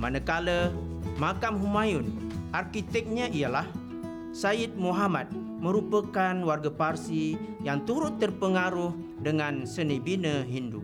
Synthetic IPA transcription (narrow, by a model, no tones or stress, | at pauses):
manəkaləmakamɦumajʊnʔarkit̪ɛk̚ɲaʔijalah | saɪt̪̚muɦamat̪̚ | məɾupəkanwarɡaparsijaŋt̪uɾʊt̪ːərpəŋaɾuh | dəŋansənibinəɦindu